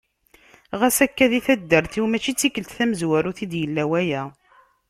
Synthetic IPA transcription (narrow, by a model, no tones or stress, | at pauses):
ʁæsækːæðiθæd̪ːəɾθiwmæt͡ʃːit͡sːikəlt̪θæməzwæɾuθid̪jəlːæwæjæ